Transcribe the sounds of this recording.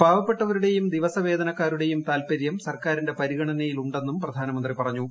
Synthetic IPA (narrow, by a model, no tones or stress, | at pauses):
bʱaːʋɐpːe̞ʈːɐʋɐɾuɽe̞jumd̪iʋɐsɐʋe̞ːd̪ɐnɐkːaːɾuɽe̞jumt̪aːlpɐɾjɐmsɐrkaːɾinde̞pɐɾiɣɐɳɐnɐjiluɳɖe̞nːumprɐd̪ʱaːnɐmɐnd̪ripɐrɐɲːu